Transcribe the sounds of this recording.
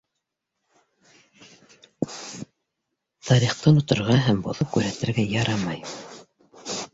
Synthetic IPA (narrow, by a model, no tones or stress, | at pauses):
t̪ʰɑɾiχt̪ɤnŏt̪ŏɾʁɑɦæmbŏ̰ðop̚kʉɾɦæt̪ɘ̆ɾɡæjɑɾɑmɑj